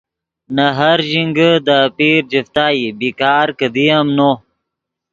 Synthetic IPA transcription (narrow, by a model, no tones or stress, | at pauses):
nɐɦɐɾʑiŋɡəd̪apiːɾd͡ʑift̪aːibikaːɾkəd̪ijamno